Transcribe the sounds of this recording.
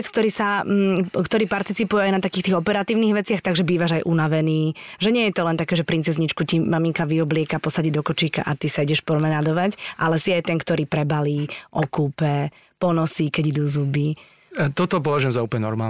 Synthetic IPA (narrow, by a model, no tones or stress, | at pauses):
ɛt͡skt̪ɔɾiːsam̩kt̪ɔɾiːpaɾt̪it͡sipujɛajnat̪akiːxt̪iːɣɔpɛɾat̪iːʊniɣʋɛt͡sɪaxt̪aɡʒɛbiːʋaʒajʔunaʋɛniːʒɛɲɪɛjɛt̪ɔlɛnt̪akɛːʒɛpɾint͡sɛzɲit͡ʃkucimamiŋkaʋiɔblɪɛkapɔsaɟid̪ɔkɔt͡ʃiːka̰ʔat̪isaiɟɛʃpɔɾmɛnad̪ɔʋacʔalɛsiajt̪ɛŋkt̪ɔɾiːpɾɛbaliːʔɔkuːpɛ | pɔnɔsikɛɟid̪uːzubi | t̪ɔt̪ɔp̬ɔʋaʒujɛmzauːpɔɲɛnɔ̰ɾmaːl